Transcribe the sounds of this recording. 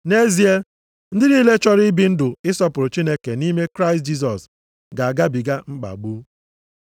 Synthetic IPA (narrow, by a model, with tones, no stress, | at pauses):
ne˦zi˦e˦ | n̩˦dɪ˦ni˦le˦t͡ʃɔ˦ɾɪ˦bi˦n̩˦dʊ˨ɪ˦sɔ˦pʊ˨ɾʊ˨t͡ʃi˦ne˦ke˨ni˦me˦kɾa˦ɪ˨st̚d͡ʒi˦s̬ɔ˨s | ɡa˨a˨ɡa˦bi˨ɡa˦ŋ͡m̩˦k͡pa̰˨ɡ͡bu˦